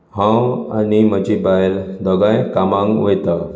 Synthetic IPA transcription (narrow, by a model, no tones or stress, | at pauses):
hãwa̰niməd͡ʑibajld̪ɔɡãjkamãŋɡʋejt̪a